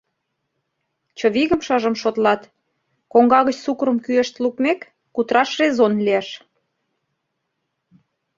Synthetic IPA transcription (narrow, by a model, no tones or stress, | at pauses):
t͡ɕə̆βiɣə̆mʃəʒə̆mʃot̪lɑt̪ | koŋɡɑɣət͡ɕsukɾə̆mkyeʃt̪lukmekː | ut̪ɾɑʃrezonlieʃ